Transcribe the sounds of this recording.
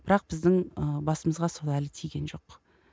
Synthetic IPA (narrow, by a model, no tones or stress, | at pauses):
b̥ɪɾɑq̚b̥ɪzd̪ɪŋəbɑsəməzʁɑsolˠælɪt̪ʰijɡʲe̞nʒo̞q